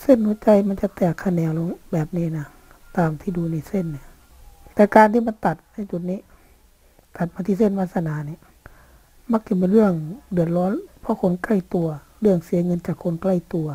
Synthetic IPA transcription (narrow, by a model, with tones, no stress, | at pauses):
se˧˥˨nhu˧˦t͡ɕa˧˩jma˧˥˨nt͡ɕa˨˧˦t̪ɛː˨˩kʰːa˧˨nɛː˧˦wlo˧ŋbɛː˨˩p̚niː˧˨na˧˩ | t̪aː˨mt̪ʰiː˧duː˧ni˧˨se˧˨nːi˧˨ | t̪ɛː˧kaː˨˧˨nt̪ʰiː˧ma˧˥nt̪a˨˩t̪̚na˧˩˨t͡ɕu˨˩t̪̚niː˧˥˨ | t̪a˨˩t̪̚maː˧t̪ʰiː˧se˧˥˨nʋaː˧t̪̚sa˧naː˨˦ni˧˦ | ma˧˥k̚ka˧˦mpe˧˨nlɯ˧˥˩əŋdɯ˨˩ət̪̚lɔː˧˥˨npʰɔ˧˥˨kʰo˧˥˨nka˧˥˩jt̪u˧ɐ | lɯ˥˧˩əŋsi˨˦ŋɤ˧˥˨nt͡ɕaː˨˩kʰːo˧˥nkla˧˩jt̪u˧ɐ